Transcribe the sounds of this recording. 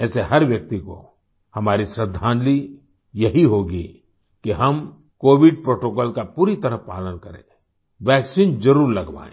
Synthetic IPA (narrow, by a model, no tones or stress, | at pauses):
ɛːseɦɐɾʋjɐk̚t̪iko̰ | hɐmaːɾisɾəd̪ʱːãːnli | jɐɦiɦoːɡi | kiɦɐm | koːʋɪɖ̚pɾoːʈoːkɔːlkapuːɾit̪ɐɾəpa̰ːlənkɐɾḛ̃ː | ʋɛːksind͡ʒɐɾuːɾlɐɡʋa̰ːḛ̃ː